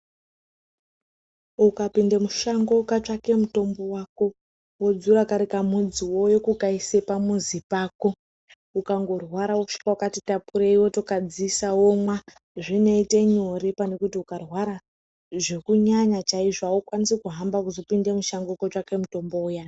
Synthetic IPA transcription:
ukapindemuʃaŋɡo̞kat͡ʂake̞muto̞mbo̞wako̞ | wod͡zuɾakaɾekamud͡ziwo̞jokukaisepamuzipaːko̞ | ukaŋɡo̞rwaɾawoʂi̥kaukatitapuɾeiwo̞to̞kad͡zisawomwa | ʐine̞ite̞ɲo̞ɾepane̞kutiukarwaɾa | ʐe̞kuɲaɲat͡ʃaiʐaokwanisekuɦambakuzo̞pinde̞muʃaŋɡokat͡ʂake̞muto̞mbo̞uja

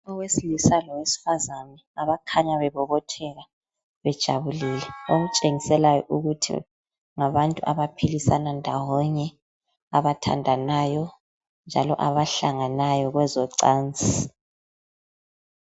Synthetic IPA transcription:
ɔɣwesilisalɔwesi̥fazanɛaβakʰaɲaβɛβɔβɔtʰɛɣa | βɛd̥ʒ̥ʱa̰βuliːlɛoɣut͡ʃʼeŋisɛlajɔ̰ʔuɣutʰḭ | ŋaβantʼuʔaβapʰilisanandʱawɔɲɛ | aβatʰa̰ndʱanajɔ | nd͡ʒʱalɔ̰ʔaβaɬaŋanajɔɣwɛzɔǀaːnd͡zʱi

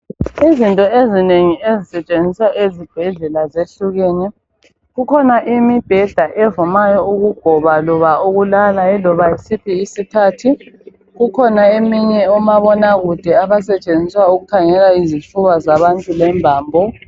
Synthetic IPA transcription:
izintʼɔezineŋiezisɛt͡ʃʼend͡zʱiswaʔezib̥ʱɛɮɛlazeɬuɣeːnɛ | ɣukʰɔnaʔimib̥ʱɛɮaʔɛvumajɔuɣuɡ̥ʱɔβalɔβauɣulalaɛlɔβaisipʰiːsikʰatʰi | ɣukʰɔnaemiɲɛɔmaβɔnaɣud̥ʱɛaβasɛt͡ʃʼend͡zʱiswauɣukʰaŋɛlaizitʰuβazaβantʼulɛmbʱaːmbʱɔ

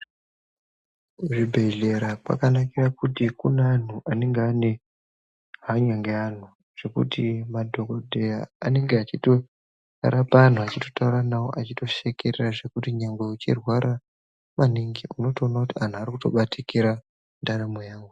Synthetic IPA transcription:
ʐibʱe̞ɮe̞ɾakwa̰kanakirakutikunan̤uʔane̞ŋɡeane̞ | ɦaɲaŋɡean̤u | ʐ̥e̞kṵtimadʱo̞kodʱe̞jaːne̞ŋɡeat͡ʃito̞ | a̰ɾapaːn̤uat͡ʃito̞̥tauɾanawo̞̰ʔat͡ʃito̞ʃe̞kereraʐe̞kutiɲaŋɡweut͡ʃḭrwaɾʔa | maniŋɡiuno̞toːnakutian̤uarikuto̞̰ɓatikiɾa | ndaɾamojaːŋɡu

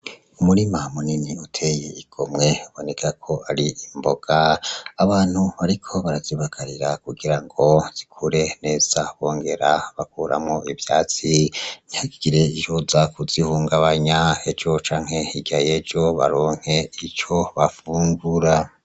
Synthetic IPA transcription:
umuɾimamuniniutʰe̞jeiɡ̥o̞mŋe̞uβo̞ne̞kʰakʰo̞aɾiːmbo̞ɡ̥aːβaːn̥huβaɾikʰo̞βaɾaziβakʰaɾiɾakuɡiɾaŋɡo̞z̥ikʰuɾe̞ne̞ːz̥aβo̞ːŋɡe̞ɾaβakuːɾʔa̰mŋo̞ivjaːt͡sinihaɡiɡiɾe̞ihozakuzihuːŋɡaβaɲae̞d͡ʒo̞t͡ʃaːŋ̥he̞iɡajed͡ʒo̞βa̰ɾo̞ːŋ̥he̞it͡ʃo̞βafuːŋɡuɾa

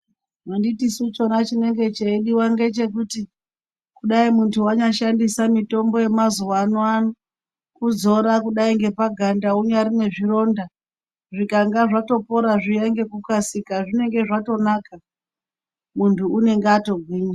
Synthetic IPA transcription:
manditisut͡ʃo̞nat͡ʃine̞ŋɡe̞t͡ʃeiɗiwaŋɡe̞t͡ʃe̞kuti | kuɗaimuntʰuaɲaʃandisamito̞mbo̞je̞mazuwanoano | kud͡zo̞ɾakuɗaiŋɡe̞paɡʱandauɲaɾine̞ʐiro̞nda | ʐikaŋɡaʐato̞po̞ɾaʐijeŋɡe̞kukasikaʐine̞ŋɡe̞ʐato̞naka | muntʰuune̞ŋɡeato̞ɡʱwiːɲa

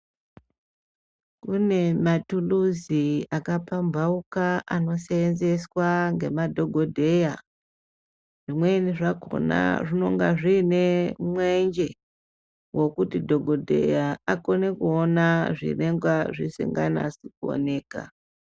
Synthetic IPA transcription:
kune̞matuluziakapambʱaukaano̞seenze̞swaŋɡe̞madʱo̞ɡʱo̞dʱe̞ja | ʐ̥imwe̞niʐako̰na̰ʐino̞ŋɡaʐiːne̞mwend͡ʒe̞ | wo̞kutidʱo̞ɡʱo̞dʱe̞̰jaako̞ne̞kuonaʐḭre̞ŋɡwaʐisḭŋɡa̰na̰sikuo̰ne̞ːka̰

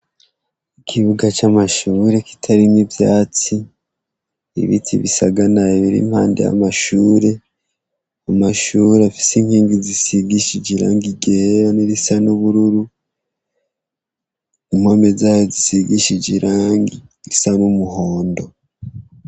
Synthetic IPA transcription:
ikʰiβuɡat͡ʃamaʃuːɾe̞ki̥tʰaɾimibjaːt͡si | ḭβḭtʰḭβisaɡanaiβiɾḭmhaːnde̞̰ja̰maʃuːɾe̞ | amaʃuːɾeafi̥simhiːŋɡizisiɡiʃid͡ʒiɾa̰ːŋɡiɡeejoniɾisanuβuɾuɾu | im̥homezaːjozisiɡiʃid͡ʒiɾʔaːŋɡiɾisanumuɦoːndo̞

